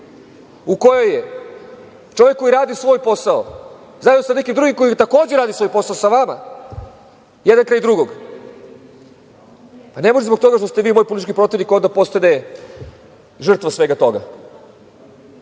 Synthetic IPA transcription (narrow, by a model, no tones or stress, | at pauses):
uko̞joje | t͡ʃo̞ʋjekːo̞jiɾaːd̪isʋo̞ːjpo̞sao | zajinosanekimd̪ɾuɡimko̞jit̪ako̞ːd͡ʑeɾaːd̪isʋojpo̞saosaʋama̰ | jed̪ankɾaːjd̪ɾuɡoɡ | pane̞mo̞ʒezbo̞ɡ̚t̪o̞ɡaʃt̪ost̪eʋiːmo̞ːjpolit̪it͡ʃkipɾo̞t̪ivnikond̪apo̞st̪ane | ʒr̩t̪ʋasʋe̞ɡat̪o̞ɡa̰